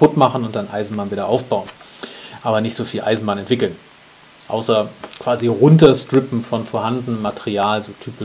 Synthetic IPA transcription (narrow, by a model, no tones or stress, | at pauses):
pʊtmaχn̩ʊnt̚d̥anʔa̰ɪzn̩baːnviːɾɐʔaʊfb̥aʊənʔaːbɐnɪçtz̥oːfiːlʔa̰ɪzn̩baːnɛntv̥ɪkl̩n | ʔa̰ʊsɐkv̥aːziʁʊntɐstʁ̥ɪpm̩fɔnfoːɐhandn̩əmatʰeʁiaːlzoːtʰyːpɪ